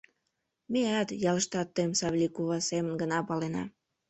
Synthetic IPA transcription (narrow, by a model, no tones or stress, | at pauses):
meɑt̪jɑləʃt̪ɑt̪ːəmsɑβlʲikuβɑsemənɡənɑpɑlenɑ̰